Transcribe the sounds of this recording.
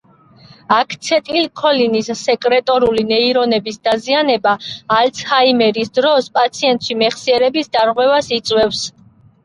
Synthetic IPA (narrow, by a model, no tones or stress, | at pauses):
akʰt̪sʰɛt̪ʼilkʰɔlinisːɛkʼɾɛt̪ʼɔɾulinɛiɾɔnɛbisd̪azianɛbaːlt̪sʰhaimɛɾisd̪ɾɔspʼat̪sʰiɛnt̪ʼʃimɛχsiɛɾɛbisd̪aɾʁwɛvasit̪sʼwɛfs